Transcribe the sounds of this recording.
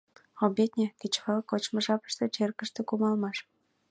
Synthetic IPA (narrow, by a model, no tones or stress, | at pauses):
obʲet̪nʲeket͡ɕfɤlkot͡ɕmɤ̆ʒɑpə̥ʃt̪ĕt͡ɕerkə̆ʃt̪ĕkumɑlmɑʃ